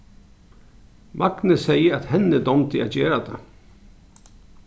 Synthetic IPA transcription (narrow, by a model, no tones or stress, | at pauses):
maknəsɛjəɾat̪hɛnːəd̪ɔmt̪ɪa̰t̪d͡ʑeːɾad̪ɛ